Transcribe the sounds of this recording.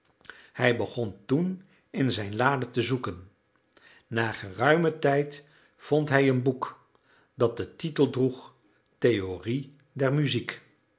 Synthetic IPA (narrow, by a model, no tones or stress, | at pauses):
hɛjbəχɔntun | ɪnzɛjnlaːdətəzukənː | aːχərœɥmətɛjt | fɔntɦɛjənbuk | dɑt̚dətitəlˠdruχ | tejori | dɛɹmyzik